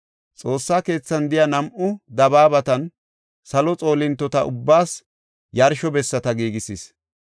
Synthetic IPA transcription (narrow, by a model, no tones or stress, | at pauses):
t͡sʼo̞ːsːaːke̞ːt͡sːɐnd̪ɪjɐnɐmʔʊd̪ɐbaːbɐt̪ɐn | sɐlɔt͡sʼo̞ːlɪnt̪ːɔt̪ɐʔʊbːaːs | jɐɾʃɔbɛsːɐt̪ɐɡiːɡɪsis